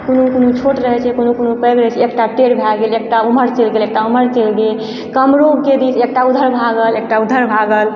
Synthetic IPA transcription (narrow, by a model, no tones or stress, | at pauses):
konukonut͡ʃʰoʈɾəɦɛt͡ʃʰɛkonukonupəɡɾəɦt͡ʃʰɛekʈaʈeɽbʱaɡelek̚ʈauməɾt͡ʃelɡelek̚ʈauməɾt͡ʃelɡe | kəmɾoɡ̚ked̪isek̚ʈaud̪ʱəɾbʱaɡəlek̚ʈaud̪ʱːəɾbʱaɡəl